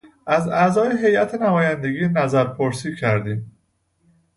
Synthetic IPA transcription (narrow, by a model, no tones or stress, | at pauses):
ʔæzæzɒːjeɦe̞jʔæt̪ʰenæmɒːjænd̪e̞ɡiːnæzæɾpʰoɾsiːcʰæɾd̪iːm